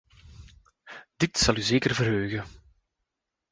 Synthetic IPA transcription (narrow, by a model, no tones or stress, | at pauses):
d̥ɪtsɑlˠyzeːkərvərɦøːɣə